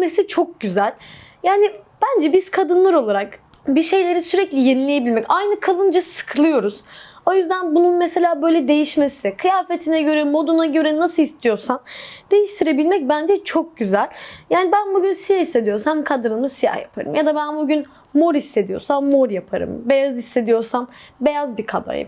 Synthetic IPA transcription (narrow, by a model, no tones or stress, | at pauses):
mesit͡ʃʰo̞k̚ɟyzælʲjaːnib̥ænd͡ʒɛbiz̥kʰad̪ɯnlˠaɾo̞lˠaɾak | biʃe̞jlʲe̞ɾisyɾɛclʲijenilʲejebilʲmɛcajnɯkʰalˠɯnd͡ʒasɯ̥kʰɯlˠɯjo̞ɾuz̥o̞jyzd̪ænbununmese̞lʲaːbø̞jlʲɛd̪e̞jiʃmesikʰɯjaːfe̞t̪ʰinɛɟø̞ɾɛmo̞d̪unaɟø̞ɾɛnasɯist̪ʰijo̞ɾsand̪̥e̞jiʃt̪ʰiɾe̞bilʲmɛc̚bænd͡ʒɛt͡ʃʰo̞k̚ɟyzælʲjaːnibænbuɟynsijahise̞d̪ijo̞ɾsamkʰad̪ɯnɯmɯsija̰hja̰pʰa̰ɾɯ̰mjad̪abænbuɟyn | muɾisːe̞d̪ijo̞̰ɾsamːoɾjapʰaɾɯ̰mbe̞jazisːe̞d̪ijo̞ɾsambe̞jazbikʰad̪a̰